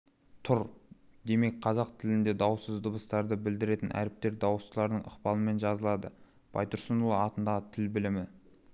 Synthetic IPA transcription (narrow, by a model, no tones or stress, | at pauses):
t̪ʰʊɾd̪e̞me̞k̚ʲqʰɑzɑqt̪ʰɪlɪnd̪e̞d̪ɑwsəzd̪ʊbəst̪ɑɾd̪əbɪld̪ɪɾe̞t̪ɪnʔæ̰ɾɪp̚t̪e̞ɾd̪ɑwslˠɑɾnəɴʔʊ̰qpɑnəme̞nʒɑzəlˠɑd̪ə | b̥ɑ̰jt̪ʰʊɾsənulˠəɑt̪ənd̪ɑʁət̪ʰɪlbɪlɪmɪ